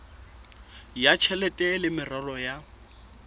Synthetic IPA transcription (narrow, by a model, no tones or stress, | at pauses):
jat͡ʃʰɛlɛtʼɛlɪmɪrarɔja